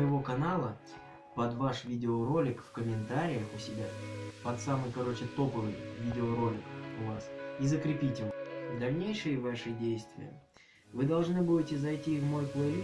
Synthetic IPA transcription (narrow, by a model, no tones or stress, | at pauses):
jɪvo̞kɐnalˠə | pɐd̪vaʂvʲidʲɪoɾo̞lʲɪkfkəmʲɪnt̪aɾʲɪjəxʊsʲɪbʲapɐt̪samɨjkɐɾo̞t͡ɕɪt̪o̞pəvɨjvʲidʲɪoɾo̞lʲɪkʊvasizəkɾʲɪpʲitʲɪvd̪ɐlʲnʲejʂɨjəvaʂɨdʲejst̪vʲɪ̰jə̰ | vɨd̪ɐlˠʐnɨbudʲɪtʲɪzɐjtʲivmo̞jplˠə